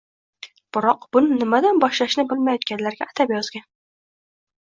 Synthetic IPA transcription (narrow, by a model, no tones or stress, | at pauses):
b̥ɪɾɒqb̥ʊnɪnɪmad̪anbɒʃlaʃnɪbɪlmajɒt̪̚kʲanlaɾɡʲaːt̪ʰapjɒzɡʲan